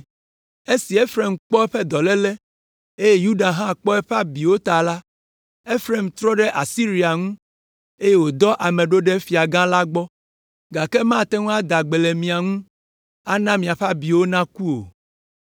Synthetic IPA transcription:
e˦si˨e˦fɾe˨mk͡pɔ˦ɛ˦ɸɛ˦d̪ɔ˨lɛ˦lɛ˦ | e˦je˦ju˦ɖa˨ɦã˦k͡pɔ˦ɛ˦ɸa˦bi˨wo˦t̪a˨la˦ | e˦fɾe˨mt̪ɾɔ˦ɖe˦ʔa˨si˦ɾi˦a˨ŋũ˦ | e˦je˦wo˨d̪ɔ˦ʔa˨mẽ˨ɖo˦ɖe˦fi˨a˨ɡã˦la˦ɡ͡bɔ˦ | ɡa˨kɛ˦mã˦˨t̪ɛ˦ŋũ˦a˦d̪a˨ɡ͡be˨le˨mĩ˨a˨ŋũ˦ | a˦nã˦mĩ˨a˨ɸa˦bi˨wo˦nã˦ku˦o̰˨

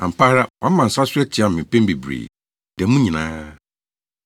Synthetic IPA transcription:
ã˨m̩˨pʰa˦ɾa˦wã˨˦m̩˦mã˨n̩˨sa˦sʊ˦ɛ˦t͡ɕʰɪ˨˦a˨m̩˨mɪ̃˨pɛ̃˦mbi˨bɾḛ˨ | dɛ̃˨mũ˦ɲĩ˨nãː˦

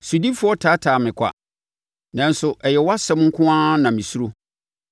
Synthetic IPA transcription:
su˨di˦fʊ˦ɔ˦tʰaː˨˦tʰaː˨mɪ̃˨kʷʰa̰˨ | nã˨n˦sʊ˨ʔɛ˨jɛ˨wa˦sɛ̃˦m˦ŋ̩˦kʰʊ̃˦ã˦nã˨mĩ˨su˦ɾo˦

